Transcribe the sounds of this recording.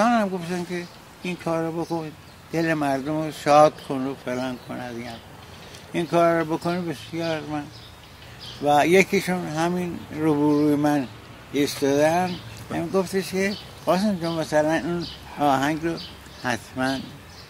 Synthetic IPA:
ɑːnhæmɡoft̪ænkʰe | iŋkʰɒːɾːɔbokon | d̪̥elemæɾd̪omoʃɒːd̪̥kʰonːofelɑːŋkʰonæd̪iæm | iŋkʰɒːɾːɔbokonibesjɒːɾmæn | væjekʰiʃunɦæminɾobuɾujemæn | ist̪ɒːd̪ænd̪æmɡoft̪eʃke | ɢɒːsend͡ʒommæsælænun | ɒːɦæŋɡɾo | hæt̪ʰmæn

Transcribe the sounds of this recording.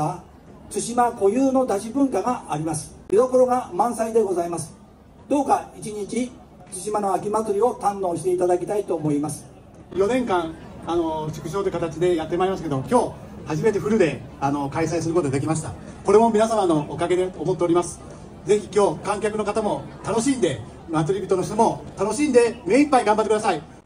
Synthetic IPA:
a | t͡sɨɕimako̞jɯːno̞d̪aʑibɯ̟̃ŋkaɡaːɾʲimasɨ̥mʲid̪o̞ko̞ɾo̞ɡamãɰ̃said̪e̞ɡo̞zaimasɨ̥ | d̪o̞ːkait͡ɕiɲit͡ɕi | t͡sɨɕimano̞akʲimat͡sɨɾʲio̞t̪ãnːo̞ːɕi̥t̪e̞it̪ad̪akʲi̥t̪ait̪o̞ːmo̞imasɨ̥ | jo̞nẽ̞ŋkãŋano̞ɕi̥kɯ̟ɕ̬o̞ːt̪okat̪at͡ɕid̪e̞jat̪ːemaimas̬ɨke̞d̪omokʲo̞ː | haʑime̞t̪e̞ɸɯ̟ɾɯ̟d̪e̞ano̞kaisaisɨɾɯkooad̪e̞kʲimaɕi̥t̪a | ko̞ɾe̞mo̞mʲinasamano̞ʔːkaɡe̞d̪e̞omot̪ːeo̞ɾʲimasɨ̥ | ze̞çʲi̥kʲo̞ːkãŋkʲakɯno̞kat̪amo̞ | t̪ano̞ɕĩnd̪e̞ | mat͡sɨɾʲibʲit̪onoɕt̪omo̞t̪ano̞ɕĩnd̪e̞me̞ipːaiɡãmbat̪ːekɯasai

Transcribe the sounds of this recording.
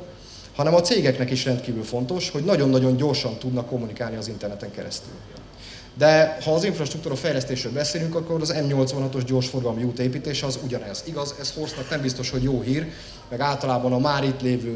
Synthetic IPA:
hɒnɛmɒt̪seːɡɛknɛkiʃrɛnt̪kiːvylfo̞nt̪o̞ʃho̞ɟnɒɟo̞nːɒɟo̞ɲɟorʃɒnt̪ud̪nɒkːo̞mːunikaːlniɒzint̪ɛrnɛt̪ɛŋkɛɾɛ̰st̪y̰l | d̪ɛhɒːziɱfrɒʃt̪ɾuk̚t̪uːɾɒfɛjlɛst̪eːʃrøːlbɛseːlyŋkɒkːo̞ɾɒzɛmɲo̞lt̪svʋɒnɦɒt̪o̞ʒɟo̞rʃfo̞rɡɒlmiuːt̪eːpiːt̪eːʃɛɒzuɟɒnɛz̥iɡɒzɛshorsnɒknɛmbist̪o̞ʃho̞ɟjoːɦiːr | mɛɡaːlt̪ɒlaːbɒnɒmaːɾit̪leːvøː

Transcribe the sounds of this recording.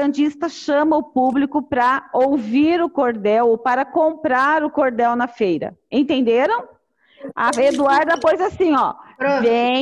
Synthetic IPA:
ɐ̃d͡ʒist̪ɐʃɐ̃mɐʊpublikʊpɾɐowviɾʊkoɾd̪ɛwopaɾɐkõmpɾaɾʊkoɾd̪ɛwnɐfejɾɐ̰ẽt̪ẽnd̪eɾɐ̃w̃ | ɐed̪uaɾd̪ɐpojzasĩɔve

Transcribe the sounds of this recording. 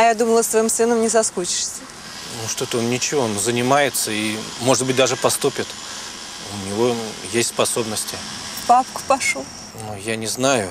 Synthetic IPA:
ɐjad̪uməlˠəst̪vɐimsɨnəmnʲɪsɐskut͡ɕɪ̥ʂsʲə | nuʂt̪ot̪əonnʲɪt͡ɕɪvo̞nzənʲɪmajɪt̪səimo̞ʐɨd̪̚bɨt̚ʲd̪aʐɨpɐst̪upʲɪt̪ | ʊnʲɪvojesʲtʲspɐso̞bnəsʲtʲɪ | papkʊ̥pɐʂu | nujanʲɪznajʊ

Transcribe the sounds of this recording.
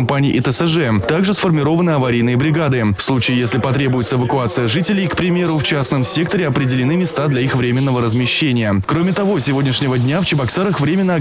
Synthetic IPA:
mpanʲɪjʔɪt̪əɛʐɛt̪aɡʐɨsfərmʲɪɾo̞vənɨɐvɐɾʲijnɨjəbɾʲɪɡad̪ɨfslˠut͡ɕɪːjesʲlʲɪpɐt̪ɾʲe̞bʊjɪt̪səɪvəkʊat̪sɨjəʐɨtʲɪlʲɪjkpɾʲɪmʲe̞ɾʊft͡ɕasnəmsʲe̞kt̪əɾʲɪɐpɾʲɪdʲɪlʲɪnɨmʲɪst̪ad̪lʲɐixvɾʲemʲɪn̪ːəvəɾəzmʲɪɕːenʲɪjəkɾomʲɪt̪ɐvo̞sʲɪvo̞dʲnʲɪʂnʲɪvədʲnʲaft͡ɕɪbɐksaɾəxvɾʲemʲɪnːəɐ

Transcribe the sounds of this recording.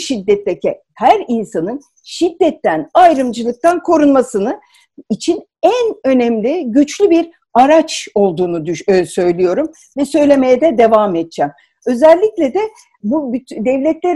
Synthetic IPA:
ʃid̪ːɛt̪ːecʰɛ | hæɾinsanɯn | ʃid̪ːɛt̪ʰːænajɾɯmd͡ʒɯlˠɯk̚t̪ʰankʰo̞ɾunmasɯnɯ | it͡ʃʰin | ænø̞nɛmlʲiɟyt͡ʃlʲybiɾ | aɾat͡ʃo̞lˠd̪uːnud̪ysø̞jlʲijo̞ɾum | vɛsø̞jlʲe̞me̞jɛd̪ɛd̪e̞vamɛt̪̚d͡ʒɛm | ø̞zɛlʲːiclʲɛd̪ɛ | bubyt̪ʰd̪ɛvlʲɛt̪lʲeɾ

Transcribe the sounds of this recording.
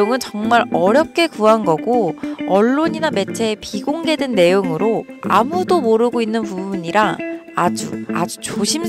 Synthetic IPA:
oŋɯnt͡ɕʌŋmaɾʌɾjʌp̚k͈ʰe̞kuɦanɡʌɡoʌɭːoɲiname̞t͡ɕʰe̞ːpiɡoŋɡe̞dɯnːe̞joŋɯɾoa̰mudomoɾɯɡoinːɯnpubbuɲiɾaad͡ʑṵa̰d͡ʑut͡ɕoɕʰim

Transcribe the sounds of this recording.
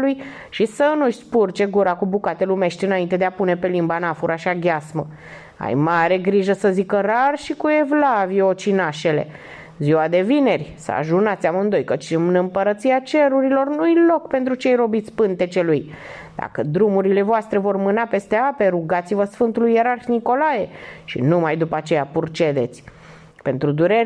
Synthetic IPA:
luj | ʃisənuʃt̪sʲpurt͡ʃe̞ɡuɾakubukat̪e̞lume̞ʃt̪ʲɨnaint̪e̞d̪eapune̞pe̞limbanafuɾʔaʃiaɡʲasmə | a̰jmaɾe̞ɡɾiʒəsəzikəɾarʃikue̞vlavjot͡ʃinaʃe̞le̞̰ | ziwad̪e̞vine̞rʲsə̰a̰ʒunat̪sʲamɨnd̪o̞jkət͡ʃɨmnəmpəɾət̪siat͡ʃe̞ɾuɾilo̞rnujlo̞kpe̞nt̪ɾut͡ʃejro̞bit̪sʲpɨnt̪e̞t͡ʃe̞luj | d̪̥a̰kəd̪ɾumuɾile̞voast̪ɾe̞vo̞rmɨnape̞st̪e̞ape̞ɾuɡat̪sivəsfɨnt̪ulujːeɾarxniko̞laje̞ʃḭnumajd̪upəat͡ʃe̞japurt͡ʃe̞d̪e̞t̪sʲ | pe̞nt̪ɾud̪uɾe̞

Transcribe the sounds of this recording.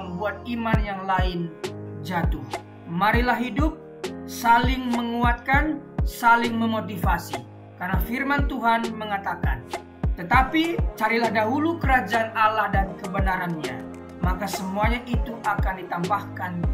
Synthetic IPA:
əmbuat̪̚imanjaŋlaɪnd͡ʒat̪ʊh | maɾilaɦidʊp̚ | salɪŋməŋuat̪̚kansalɪŋməmot̪ifasi | karnafirmant̪uɦanməŋat̪aka̰n | t̪ət̪apit͡ʃaɾilahdaɦulukəɾad͡ʒaʔanalahdaɾikəbənaɾanɲa | makasəmuaɲaʔit̪uʔakandit̪ambahkan

